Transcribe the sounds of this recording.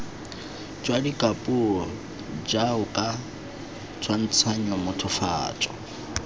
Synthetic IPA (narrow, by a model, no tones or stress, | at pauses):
d͡ʒwadikʼapʼuɔ | d͡ʒaʊkʼa | t͡sʰwan̩t͡sʰaɲ̩ɔmʊtʰʊfa̰ːt͡ʃʼɔ̥